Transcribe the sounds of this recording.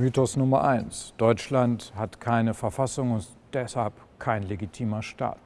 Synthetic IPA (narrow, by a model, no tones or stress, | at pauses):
myːtɔsnʊmɐʔaɪnsd̥ɔʏt͡ʃlanthatkʰaɪnəfɛɐfasʊŋʊnt | d̥ɛshalp | kʰaɪnleɡitʰiːmɐʃta̰ːt